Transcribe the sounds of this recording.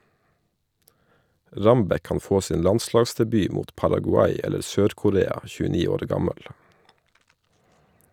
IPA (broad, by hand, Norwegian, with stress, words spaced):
ˈɹɑmbɛ ˈkɑːn ˈfoː ˈsiːn ˈlɑnˌslɑːɡsdɛˌbyː ˈmuːt pɑɾɑɡʊˈɑɪ ˈɛləɾ ˈsøːɾkʊˌɾeːɑ çʉːəˈniː ˈoːɾ ˈɡɑməl